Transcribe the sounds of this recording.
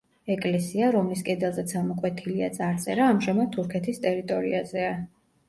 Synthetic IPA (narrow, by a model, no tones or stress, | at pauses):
ɛkʼlɛsiaɾɔmliskʼɛd̪ɛlˠzɛt̪sʰamɔkʼwɛt̪ʰiliat̪sʼaɾt̪sʼɛɾaːmʒɛmad̪̚t̪ʰːuɾkʰɛt̪ʰist̪ʼɛɾit̪ʼɔɾḭazɛa